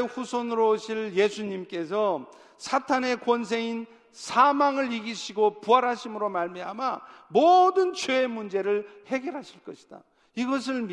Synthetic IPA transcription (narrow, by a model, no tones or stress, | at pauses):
ɸusʰonɯɾoɕʰiɭje̞sʰuɲimk͈e̞s̬ʰʌ | sʰatʰane̞kwʌnsʰe̞in | sʰamaŋɯɭiɡiɕʰiɡopuɦaɾɦaɕʰimɯɾomaɭmiɦamamodɯnt͡ɕeːmund͡ʑe̞ɾɯɭhe̞ɡjeɾɦaɕʰiɭk͈ʌɕʰi̥d̥a̰ | iɡʌs̬ʰɯɭm